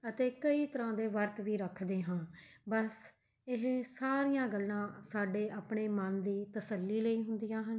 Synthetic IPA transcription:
ət̪eːkəiːt̪əɾãːd̪eːʋəɾt̪ʋiːɾəkʰd̪eːɦãːbəs | ɪɦsaːɾɪjãːɡəlːãːsaːɖeːʔaːpɳeːmənd̪iːt̪əsəlːiːləiːɦʊ̃nd̪ɪjãːɦən

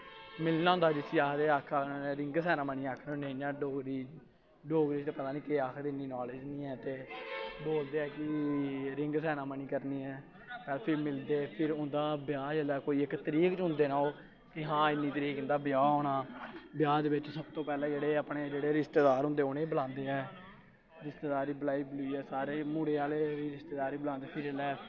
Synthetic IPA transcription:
mɪlnãːʊnd̪aːd͡ʒɪsʰiːaːd̪eːaːkʰaːneːɾɪ̃ŋɡsɛːnãːməniːaːkʰnːneãːɖoːɡɾiː | ɖoːɡɾiːt͡ʃt̪eːpət̪aːniːkeaːkʰd̪eɪnːiːnaːled͡ʒnĩːɛːt̪eːboːld̪eːɛːkɪɾɪŋɡsɛːnaːməniːkəɾniːɛː | kəɾpʰɪɾmɪld̪eːpʰɪɾʊ̃nd̪aːbjaːd͡ʒəlaːkoːiːɪkt̪əɾiːkt͡ʃɦʊ̃nd̪eːnaːoː | kɪɦãːɪnːiːt̪əɾiːkʊ̃nd̪aːbjaːɦoːnaːbɪjaːd̪eːʋɪt͡ʃsəbt̪õːpɛːlɛ̃ːd͡ʒeːɽeːəpɳeːd͡ʒeːɽeːɾɪst̪eːd̪aːɾɦʊ̃nd̪eːʊneːbəlãːnd̪eːɛː | ɾɪst̪eːd̪aːɾiːbəlaːiːbluiːɛːsaːɾeːmuːɽeːaːleːʋiːɾɪst̪eːd̪aːɾiːbəlãːnd̪eːpʰɪɾəlɛː

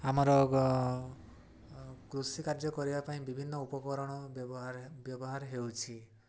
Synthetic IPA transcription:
amɔɾɔ | kɾusikaɾd͡ʒɔkɔɾibapaĩbibʱinːɔupɔkɔɾɔɽ̃ɔɔɦaɾbjɔbɔɦaɾɦewt͡ʃʰi

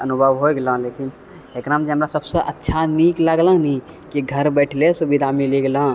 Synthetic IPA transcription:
ənubʱəʋɦoeɡelə̃lekin | ekɾamd͡ʒeɦəmɾasəbsəʔətːʃʰanikləɡlə̃nĩ | kiɡʱəɾbɛʈʰlesubid̪ʱamiliɡelə̃

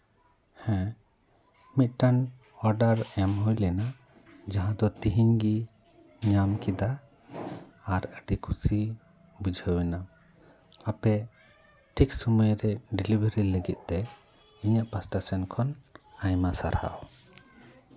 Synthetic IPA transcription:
hɛ̃ | mit̪̚ˀʈan | ɔɾɖaɾɛmɦujlɛna | d͡ʒaɦãd̪ɔt̪iɦiŋɡi | ɲamkid̪a | ɾəɖikʰusi | bud͡ʒʱəwɛna | apɛ | ʈʰiksuməjɾɛɖilibəɾiləɡit̪̚ˀt̪ɛ | iɲaʔpasʈasɛnkʰɔnajmasa̰ɾha̰w

